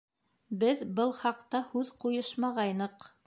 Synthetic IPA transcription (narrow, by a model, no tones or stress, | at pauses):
bɘðbɤlˠχɑqt̪ɑhʉðqujɤʃmɑʁɑjnɤq